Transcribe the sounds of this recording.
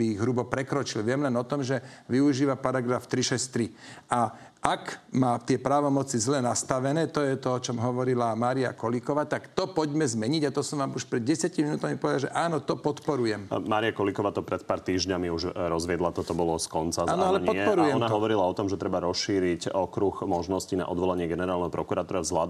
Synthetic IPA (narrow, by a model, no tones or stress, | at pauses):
iiɣɦɾubɔpɾɛkɾɔt͡ʃilʋɪɛmlɛnɔt̪ɔmʒɛʋiuʒiːʋapaɾaɡɾaft̪ɾiʃɛst̪ɾia | ʔakmaːt̪ɪɛpɾaːʋɔmɔt͡sizlɛnast̪aʋɛnɛːt̪ɔjɛt̪ɔɔt͡ʃɔmɦɔʋɔɾilamaːɾia̰kɔlikɔʋaːt̪akt̪ɔpɔɟmɛzmɛɲiɟat̪ɔsɔmʋaːmuʃpɾɛd̪̚ɟɛsɪjaciminuːt̪amipɔʋɛd̪alʒɛʔaːnɔt̪ɔpɔt̪pɔɾujɛmmaːɾiakɔlikɔʋaːt̪ɔpɾɛt̪paːɾt̪iːʒɲamiuʒɾɔzʋɪɛd̪lat̪ɔt̪ɔbɔlɔskɔnt͡saaːnɔalɛɲpɔtɛpɔɾujɛɔnaɦɔʋɔɾilaɔt̪ɔmʒɛt̪ɾɛbaɾɔsʃiːɾicɔkɾuxmɔʒnɔscina̰ʔɔd̪ʋɔlaɲɪɛɡɛnɛɾaːlnɛɦɔpɾɔkuɾat̪uːɾazlad̪